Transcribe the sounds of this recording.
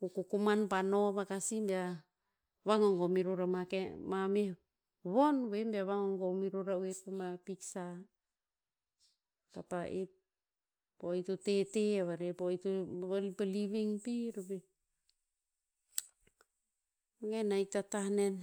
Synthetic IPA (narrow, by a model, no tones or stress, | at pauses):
ukukumanpanoβakasimbea | βaŋoŋɡomiɾuɾamakemame | βonβembeaβaŋoŋɡomiɾuɾauepamapiksa | tapaʔe | ojtuteteaβaɾepojtualpaliβiŋpiɾbe | aŋenajtatanen